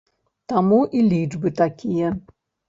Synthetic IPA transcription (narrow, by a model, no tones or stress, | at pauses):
t̪amuʔilʲid͡ʐbɨt̪akʲʰijɛ